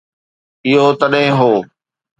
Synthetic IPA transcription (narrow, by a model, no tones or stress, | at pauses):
ɪɦot̪ɐɗɦɪ̃ɦoː